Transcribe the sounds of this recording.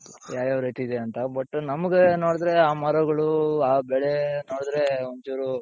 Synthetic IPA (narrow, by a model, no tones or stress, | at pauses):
jaːɾjaːʋɾɦet̪iːd̪eɐnt̪ɐbɐʈːunɐmɐɡenoːɽd̪ɾe̞aːmɐɾɐɡɐɭuaːbɛɭenoːɽd̪ɾe̞oɲt͡ʃuːɾu